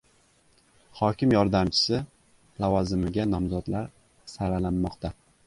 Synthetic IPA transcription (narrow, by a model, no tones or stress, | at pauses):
χɒkʲɪmjɒɾd̪amt͡ʃʰɪ̥sɪ | lavɒzɪmɪɡʲanɒmzɒd̪laɾ | saɾalanːɒqt̪a